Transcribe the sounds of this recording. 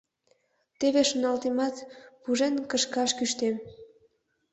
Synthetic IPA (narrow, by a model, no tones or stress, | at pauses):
t̪eβeʃonɑlt̪emɑt̪puʒenkə̆ʃkɑʃkyʃt̪em